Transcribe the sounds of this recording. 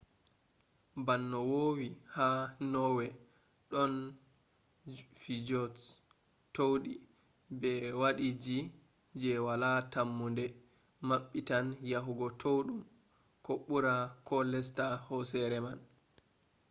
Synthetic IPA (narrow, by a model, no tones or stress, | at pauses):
banːɔwowihanɔwɛ | ɗɔn | fid͡ʒɔt | towɗi | bɛwaɗid͡ʒi | d͡ʒɛwalatamːundɛ | maɓːitanjaɦuɡɔtʰowɗum | kɔɓuɾakɔlɛs̬tahɔsɛɾɛman